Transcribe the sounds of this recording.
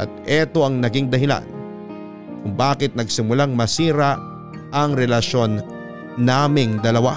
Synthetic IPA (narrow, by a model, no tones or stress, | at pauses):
ʔɐ̰t̪̚ʔɛt̪o̞ʔɐŋnɐɡiŋd̪ɐɦɪla̰n | kʊŋbaːkɪt̪̚nɐɡsɪmʊlaŋmɐsiːɾa | ʔɐŋɾɛlɐʃo̞nː | aːmɪŋd̪ɐlɐwa